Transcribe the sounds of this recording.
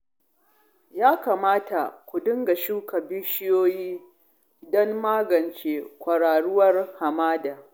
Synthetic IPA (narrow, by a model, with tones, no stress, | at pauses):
jaː˦ka˨maː˦ta˨kʷʊ˨dʊ˦ŋɡa˨ʃuː˦ka˨bɪ˦ʃɪ˦joː˦jiː˦ | dɔ˦mːaː˦ɡɐ˨nt͡ʃeː˦kʷɐ˨ɽaː˨ɽʊ˦wɐ˦rha˨maː˦da˨